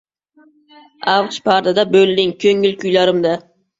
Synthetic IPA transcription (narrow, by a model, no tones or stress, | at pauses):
awqʃpʰaɾd̪ad̪abɵld̪ɪŋkʲʰɵŋɪlkʲʰʊjlaɾɪmd̪a